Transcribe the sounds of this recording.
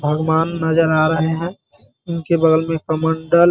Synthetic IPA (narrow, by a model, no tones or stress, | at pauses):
bʱəɡwaːnːɐd͡ʒəɾaːɾəɦeɦɛ̃ː | ʊnkebəɡ̪əlmẽpɾəməɳɖəl